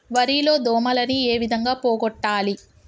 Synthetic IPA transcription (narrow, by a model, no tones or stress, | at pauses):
ʋɐɾilo̞ːd̪ɔːmɐlɐnie̞ːʋid̪ʱɐŋɡaːpoːɡɔʈːaːli